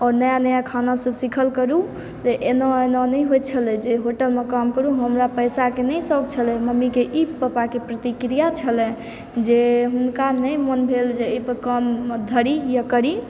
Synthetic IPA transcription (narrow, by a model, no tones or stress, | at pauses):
ɔːɾnəjanəjakʰanabsəbsikʰəlkəɾu | t̪eʔenɔenɔnəjɦojt͡ʃʰəlɛ̃d͡ʒeɦoʈəlmekamkəɾuɦəmɾapəjsakenəjsɔkt͡ʃʰəlɛ̃məmːikeʔipːəpakepɾət̪ikɾijat͡ʃʰəlɛ̃ | d͡ʒeɦunkanəjmənbʱeld͡ʒeəjpəɾkəmd̪ʱəɾijakəɾi